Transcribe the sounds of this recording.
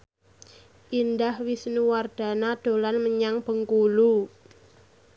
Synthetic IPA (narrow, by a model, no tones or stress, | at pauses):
ʔind̪ahwisnuward̪̥a̤nad̪̥o̤lanməɲaŋb̥ə̤ŋkulu